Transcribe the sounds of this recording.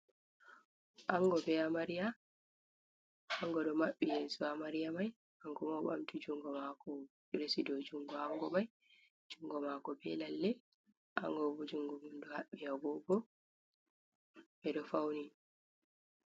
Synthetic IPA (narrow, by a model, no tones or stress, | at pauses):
ʔaŋɡɔbɛamaɾija | aŋɡɔɗɔmaɓːijeːsuamaɾijamaj | aŋɡɔmawɓa̰mtid͡ʒuŋɡɔmakɔ | ɾesidɔd͡ʒuŋɡɔaŋɡɔmaj | d͡ʒuŋɡɔmaːkɔbɛlalːɛ | ʔa̰ŋɡɔbɔd͡ʒuŋɡɔmundɔhaɓːijaɡɔɡɔ | ɓɛɗɔfawni